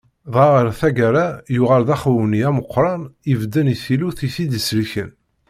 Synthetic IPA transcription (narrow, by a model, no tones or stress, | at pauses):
ðˤʁaʁəɾθæɡæɾajuʁælðæχwəniæməqːɾˤɑnivd̪ːəniθiluθiθid̪əsliçə̰n